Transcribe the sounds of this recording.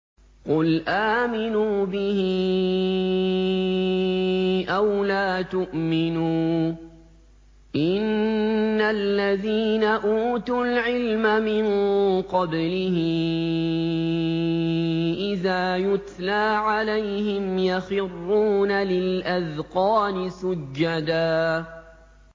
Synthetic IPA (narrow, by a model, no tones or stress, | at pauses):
qʊlʔaːmɪnuːbɪhɪ | ʔawlaːt̪ʊʔmɪnuː | ʔɪnː | alːaðiːnaʔuːt̪ʊlʕɪlmamɪnqɑblɪhɪ | ʔɪðaːjʊt̪laːʕalajhɪmjaxɪrːuːnalɪlʔaðqɑːnɪsʊd͡ʒd͡ʒːad̪aː